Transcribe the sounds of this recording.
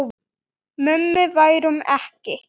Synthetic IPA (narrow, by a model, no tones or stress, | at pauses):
mʏmːɪvaːjɾumɛ̰hcɪ